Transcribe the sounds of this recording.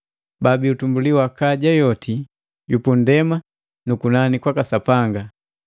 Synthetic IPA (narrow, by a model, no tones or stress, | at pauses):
babiutumbuliwakaɟajɔti | jupundɛma | nukunanikwakasapaŋɡa